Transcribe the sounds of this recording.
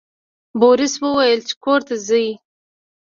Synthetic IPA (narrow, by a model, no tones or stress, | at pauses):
boɾɪswəwajəlt͡ʃe̥koɾt̪azəji